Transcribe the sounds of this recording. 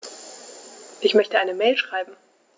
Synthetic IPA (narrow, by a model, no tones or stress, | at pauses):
ʔɪçmœçtəʔaɪnəmɛːlʃʁ̥aɪbm̩